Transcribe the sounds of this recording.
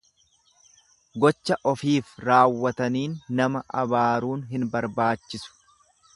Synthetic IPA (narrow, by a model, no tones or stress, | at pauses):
ɡɔt͡ʃːɐʔɔfiːfɾaːwːɐt̪ɐniːnːɐmɐʔɐbaːɾuːnɦɪnbɐɾbaːt͡ʃːɪsʊ̥